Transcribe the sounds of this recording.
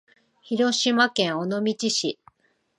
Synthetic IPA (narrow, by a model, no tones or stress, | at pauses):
çiɾo̞ɕimakẽ̞ɰ̃onomʲit͡ɕiɕi